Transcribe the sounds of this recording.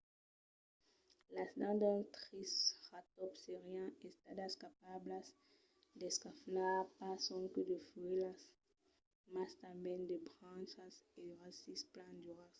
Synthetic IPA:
lasd̪ãd̪ãt̪ʁisʁat̪ɔpseʁiãest̪ad̪askapablas | d̪eskaflapasɔ̃ŋked̪efuelas | mast̪ãmbɛ̃nd̪ebʁãnsaseʁasisplãnd̪uʁas

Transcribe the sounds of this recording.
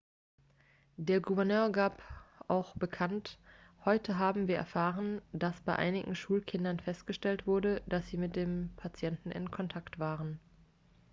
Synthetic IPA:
deːɐɡuvɛɐnøːɐɡaːpʔaʊxb̥əkʰanthɔʏtʰəɦaːbm̩viːɐʔɛ̰ɐfaːʁəndasb̥aɪʔa̰ɪnɪɡŋ̩ʃuːlkʰɪndɐnfɛstɡ̥əʃtɛltv̥ʊɐdəd̥asz̥iːmɪt̚d̥eːmpʰat͡sjɛntn̩ʔɪ̰nkʰɔntʰaktv̥aːʁən

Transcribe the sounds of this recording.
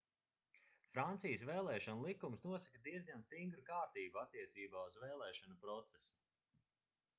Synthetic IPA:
fɾant̪sijəsveːlˠɛːʃɔnulˠikumsnuɔsakəd̪iɛzɡanst̪iŋɡɾukaːɾt̪iːbuat̪ːiɛt̪siːbaːuzvɛːlˠɛːʃanupɾɔt̪sɛsu̥

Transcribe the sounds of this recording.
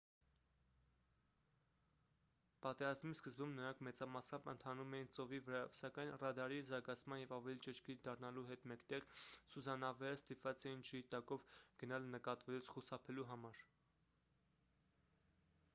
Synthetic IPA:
pɑt̪ɛɾɑzmiskəzbumnəɾɑŋkʰmɛt͡sɑmɑsɑmbə̰nt̪ʰɑnumɛjint͡sɔvivəɾɑjɔvsɑkɑjnrɑd̪ɑɾizɑɾɡɑt͡sʰmɑnjɛvɑvɛlit͡ʃəʃkiɾd̪ɑrnɑluɦɛt̪mɛkt̪ɛʁsuzɑnɑvɛɾəst̪ipvɑt͡sɛjind͡ʒʰəit̪ɑkɔvɡ̥ənɑlnəkɑt̪vɛlut͡sʰχusɑpʰɛluɦɑmɑɾ

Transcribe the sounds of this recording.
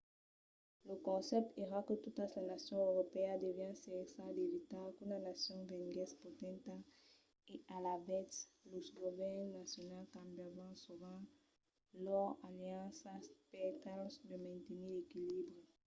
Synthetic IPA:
lokõnsɛp̚t̪eʁakət̪ut̪aslanasjɔ̃ewɾopead̪evjɛ̃nsesad̪evit̪akũnanasjɔ̃ŋvẽŋɡɛspot̪ɛ̃nt̪a | ealavɛslosɡovɛʁnnasjonalkãmbjavãsuvã | lɔʁaljãsaspet̪ãlsd̪emãnt̪enilekilibʁi

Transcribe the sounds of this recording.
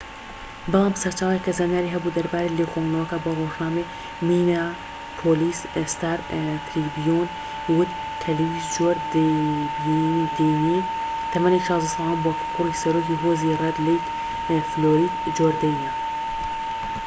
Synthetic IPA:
bɨlˠaːmsɐɾt͡ʃaːwjekːɐzanaːɾiːɦɐbud̪ɐɾbaːɾeːleːxoːŋnɐwɐkaboroːʒnaːme | miːna | pʰoːliːs | st̪aːɾt̪ɾibijoːn | wʊt̪ | t̪ʰːɐlewiːzd͡ʒoːɾd̪ | d̪enit̪ʰɐmanekʃaːzusɑlaːnboːkupʰurisɐɾoːkiɦoːzirɛd̪lejt̪ | floːɾiːd̪ | d͡ʒoːɾd̪ɐjnia

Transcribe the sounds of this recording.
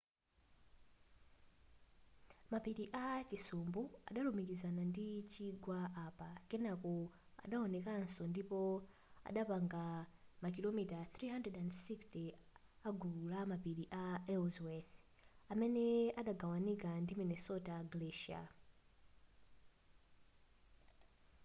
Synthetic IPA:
mapiɗiʔat͡ʃisumbua̰ɗalumikizanandit͡ʃiɡwaapakɛnakɔ | a̰ɗaɔnɛkan̩sɔndipɔ | a̰ɗapaŋɡamak̬ilomitaθɾiɦandrɛdandsikstiaɡuulamapiɗiʔaɛlzwɛθ | amɛnɛaɗaɡawanikandiminɛsɔtaɡlɛʃia̰

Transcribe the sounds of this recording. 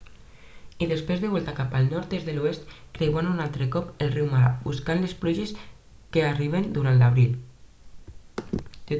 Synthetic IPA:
iðespɾezðeβɔlˠt̪akapalˠnɔɾt̪ezðeluest̪kɾewanunalˠt̪ɾekɔpelriwmaɾabuskanlespluʒes | keariβ̞end̪uɾanlaβ̞ɾil

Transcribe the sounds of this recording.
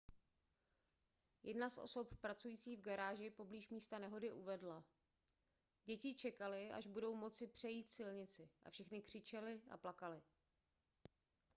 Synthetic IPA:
jʔɛ̰dnasʔo̞̰so̞ppɾat͡sujiːt͡siːvɡaɾaːʒɪpo̞bliːʃmiːst̪anɛɦo̞dɪʔuvɛdla | ɟɛcɪt͡ʃɛkalɪʔa̰ʒbudo̞wmo̞t͡sɪpr̝̥ɛjiːt̪sɪlɲɪt͡sɪʔa̰fʃɛxnɪkr̝̥ɪt͡ʃɛlɪa̰plakalɪ

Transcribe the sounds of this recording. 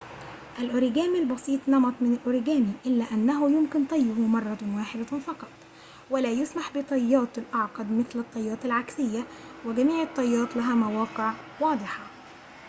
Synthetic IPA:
ʔalʔʊɾɪɡæːmilbɑsˤiːt̪ˤnɑmɑt̪ˤmɪnɪlʔʊɾɪɡæːmiʔɪlːæʔanːæɦʊjʊmkɪnt̪ˤɑjːʊhʊmɑrˤːɑwaːħɪd̪afɑqɑt̪ˤ | wɪlæːjʊsmaħbɪt̪ˤɑjːɑːt̪ɪlʔɑʕqɑd̪mɪθlɨt̪ˤːɑjːɑːt̪ɪlʕaksɪjːa | wɪɡæmiːʕɑt̪ˤːɑjːɑːt̪ˤlaɦæmawɑːqɪʕ | wɑːd̪ˤɨħɑ

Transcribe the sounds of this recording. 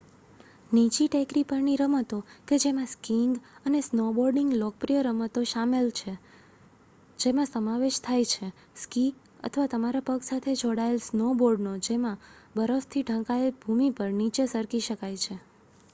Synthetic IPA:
nit͡ʃiʈekɾipəɾniɾəmət̪oked͡ʒemãskiŋɡənesnoboɾɖɪŋɡlɔk̚pɾijəɾəmət̪oʃamelt͡ʃʰe | d͡ʒemãsəmaʋeʃt̪ʰajt͡ʃʰe | ski | ə̰t̪ʰəʋat̪əmaɾapəɡsat̪ʰed͡ʒʱoɽaelsnoboɾɖnod͡ʒemãbəɾəft̪ʰiʈə̃kaelbʱumipəɾnit͡ʃesəɾkiʃəkajt͡ʃʰe

